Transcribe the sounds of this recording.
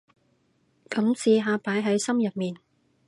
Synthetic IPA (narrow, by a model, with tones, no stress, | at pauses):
kɐ˨˥msiː˧ɦaː˧paː˨˥jɦɐ˨˥jsɐ˥mjɐ˨t̚miː˨n